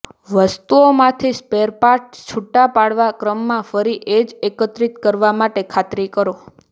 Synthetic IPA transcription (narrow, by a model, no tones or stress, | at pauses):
ʋəst̪uomãt̪ʰispeɾpaʈ̚t͡ʃʰuʈːapaɽʋakɾəmːãfəɾiʔed͡ʒekət̪ɾit̪kəɾʋamaʈekʰat̪ɾikəɾo